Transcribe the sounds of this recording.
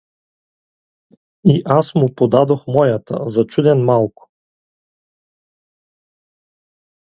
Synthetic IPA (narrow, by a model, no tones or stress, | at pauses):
iʔasmʊpod̪ad̪oxmɔjat̪ə̰zɐt͡ʃud̪ɛnmalˠkʊ̥